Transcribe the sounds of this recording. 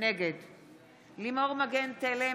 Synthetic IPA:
neɡed̪ | limoʁmaɡent̪ele

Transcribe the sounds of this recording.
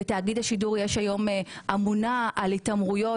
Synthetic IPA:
etaːɡidhaʃiduʁjeʃajo̞mʔamunaʔalitamʁujo̞

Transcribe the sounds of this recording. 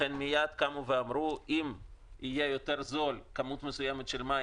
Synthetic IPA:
enmijad̪kamuveamɾuʔimijejo̞t̪eɾzo̞lkamut̪mesujemet̪ʃelma

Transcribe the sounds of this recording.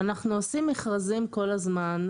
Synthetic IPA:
anaχnuosimeχʁazimko̞lazman

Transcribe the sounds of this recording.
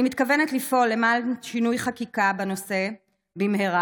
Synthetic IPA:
imit̪kave̞netlifo̞lːemalʃinujχakikabano̞se̞ | bimheʁa

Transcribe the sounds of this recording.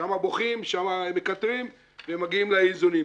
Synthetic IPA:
amaboχimʃamaemekat̪ʁim | vemaɡiimlaizuni

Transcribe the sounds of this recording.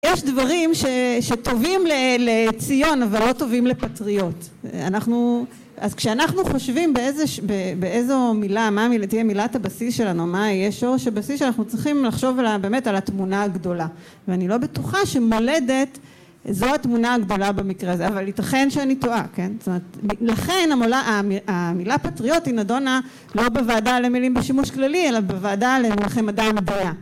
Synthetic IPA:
jeʃdvaʁimʃe̞ʃeto̞vimlelet͡sijo̞navalːo̞to̞vimlepatʁijo̞t | anaχnu | azkʃeanaχnuχo̞ʃvimbeezeʃbebeezo̞milamamiltijemilathabasisʃe̞lanumajeʃo̞ʁeʃabasisʃeanaχnut͡sʁiχimlaχʃo̞valabe̞ːme̞talatmunaaɡdo̞la | veanilo̞betuχaʃe̞mo̞le̞de̞t | zoatmunaːɡdo̞labemikʁezeavalːitaχe̞nʃeanitoʔake̞nstomeet̪milaχe̞namolaʔamiamilapatʁijo̞thinado̞na | lo̞bevaːdalemilimbeʃimuʃklalielabevaːdalemulχemadamedina

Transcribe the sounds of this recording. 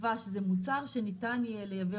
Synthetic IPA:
vaʃezemut͡saʁʃenitanelejave

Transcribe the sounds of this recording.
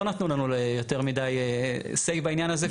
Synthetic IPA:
onat̪nulanulejot̪e̞ʁmidajesejbainjanaze

